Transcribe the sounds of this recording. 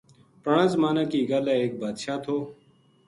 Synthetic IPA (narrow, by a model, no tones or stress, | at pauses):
pəɳãːzəmaːnãːkiːɡaːlaːeːk̚baːd̪ʃaːt̪ʰoː